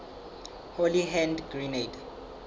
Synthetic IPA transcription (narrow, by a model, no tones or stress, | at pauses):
holiɦɛ̃ndɡrined